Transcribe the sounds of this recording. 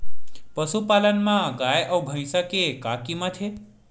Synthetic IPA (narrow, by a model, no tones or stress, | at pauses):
pəsupalənmãɡajʔəbʱə̃j̃səkekakimãt̪ʰe